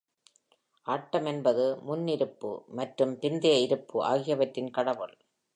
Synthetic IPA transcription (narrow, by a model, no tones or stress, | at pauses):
ʔaːʈːɐmɛnbɐðɯmʊnːɪɾɯpːɯ̰mɐʈrɯmpɪnd̪ɪjɐɪɾɯpːɯʔa̰ːɣɪjɐʋɐʈrɪnkɐɽɐʋɯɭ